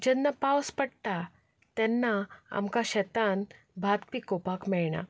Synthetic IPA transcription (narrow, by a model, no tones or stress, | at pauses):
d͡ʑɛnːapawspəɽt̪a | t̪ɛnːaa̰mkaɕɛt̪an | bʱat̪pikopakmɛɭɳa̰